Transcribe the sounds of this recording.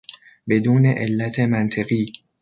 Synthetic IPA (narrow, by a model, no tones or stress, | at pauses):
be̞d̪uːne̞ʔelːæt̪ʰe̞mænt̪ʰeɣiː